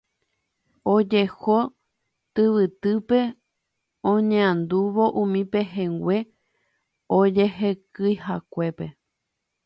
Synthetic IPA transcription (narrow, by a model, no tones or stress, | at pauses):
od͡ʒe̞ho | t̪ɨʋɨt̪ɨpe̞ | õɲẽãnd̪uʋo̞ʔũmĩpe̞ɦẽŋɡʷe̞ | od͡ʒehekɨjhakʷe̞pe̞